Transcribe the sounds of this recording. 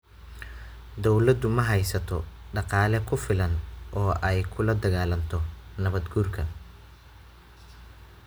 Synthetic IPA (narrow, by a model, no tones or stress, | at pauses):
d̪ɔwlɐd̪ʊmɐɦɐjsɐt̪ʰɔɖɑqɑːlɛkʰʊfɪlɐnʔɔːʔɛjkʰʊlɐd̪ɐɣaːlɐnt̪ʰɔnɐβɐd̪ɡuːrkʰɐ